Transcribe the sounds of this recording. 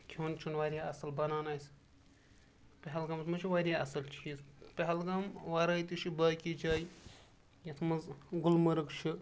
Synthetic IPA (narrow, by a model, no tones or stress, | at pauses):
kʲʰuːnt͡ʃʰunʋaːɾʲjaːɐsɐlbɐnaːnaːjs | pʲeɦɐlɡɐmsʰmɐt͡ʃʰiʋaːɾʲjaɐsɐlt͡ʃʰiːspʲeɦɐlɡɐmʋaːɾaːjt̪iʃʰibaːkʲid͡ʒaːj | jɐt̪ʰmɐzɡulmɐɾɐkt͡ʃʰi